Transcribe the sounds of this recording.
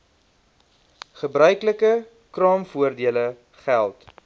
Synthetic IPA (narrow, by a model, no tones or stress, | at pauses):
χəbɾœɥkləkə | krɑːmfuərdiələ | χælˠt